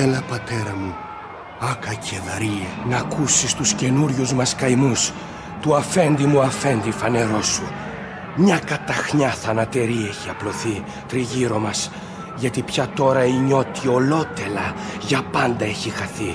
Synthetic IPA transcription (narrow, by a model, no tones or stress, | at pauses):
elɐpɐt̪e̞ɾɐmu | ɐkɐcʰeðɐɾiɐnɐkusist̪usce̞nuɾʝuzmɐskɐjmus | t̪uɐfe̞nd̪imuɐfe̞nd̪ifɐne̞ɾo̞su | mɲɐkɐt̪ɐxɲɐθɐnɐt̪e̞ɾieçiɐplo̞θi | t̪ɾiʝiɾo̞mɐs | ʝɐt̪ipçɐt̪o̞ɾɐiɲo̞t̪io̞lo̞t̪e̞lɐʝɐpɐnd̪ɐe̞çixɐθi